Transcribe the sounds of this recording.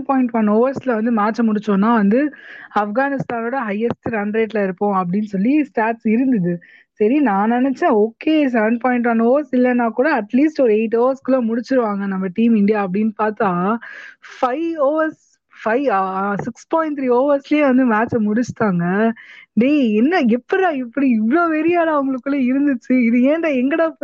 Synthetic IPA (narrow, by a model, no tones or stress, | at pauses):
paːɪ̃ɳʈʋɐnoːʋɐɾslɐʋɐnd̪ɯmaːt͡ʃːɐmʊɽɪt͡ʃːõːnːaːʋɐnd̪ɯɐfɡaːnɪst̪aːnoːɽɐɦɐjːɛsʈɾɐnɾeːʈ̬lɐɪɾɯpːõːɐp̬ːɐɽɪnːsɔlːisʈaːʈsɪɾɯnd̪ɐðɯ | sɐɾinãːnɛnɛt͡ʃːẽoːkːeːs̬ɐɾɐɳɖpaːɪɳʈ̬ʋɐnoːʋɐɾsɪlːɛnːaːkuːɽɐɐʈliːsʈɔɾɯeːʈ̬ːoːʋɐɾskɪlõːmʊɽɪt͡ʃːɪɾɯʋaːŋɡɐnɐmːɐʈiːmɪɳɖɪjaːɐp̬ːɐɽɪnpaːɾt̪aː | fɐɪoːʋɐɾs | fɐɪsɪkspaːjɪ̃ɳʈ̚t̪ʰɾiːoːʋɐɾsljeːʋɐnd̪ɯmaːt͡ʃɐmʊɽɪt͡ʃːt̪aːŋɡɐɖeːɛnːɐɛpːɐɾãːɪpːɐɽiɪʋɭoːʋɛɾɪjaːɽaːʊŋɡɐɭɯkːɯɭːeɪɾɯnd̪ɯt͡ʃːɯɪðɯeːnd̪ɐɛŋɡɐɽɐ